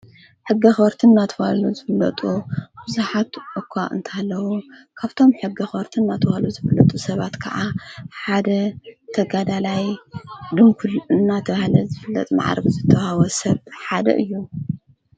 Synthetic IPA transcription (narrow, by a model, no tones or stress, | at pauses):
ħɨɡːixɐɾt̪ʰɨnːat̪ʰɨwaluzɨfɨlːɐt̪ʼub̥ɨzuħat̪ʔɨkʰaʔɨ̰nt̪ʰalːɐwukʰaβt̪ʰo̞mħɨɡːixɐɾt̪ʰɨnːat̪ʰɨwaluzɨfɨlːɐt̪ʼusɐβat̪kʰɐ̰ʔaħad̪ɐt̪ʰɐɡad̪alajd̪ɨmkʰulɨnːat̪ʰɐβahlɐzɨfɨlːɐ̰t̪ʼma̰ʕ̰ɾɐβzɨt̪ʰːɐwhawɐsɐβħad̪ɐ̰ʔɨjːu